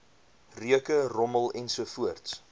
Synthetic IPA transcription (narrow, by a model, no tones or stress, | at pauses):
ryəkərɔməlˠɛnsuəfuərts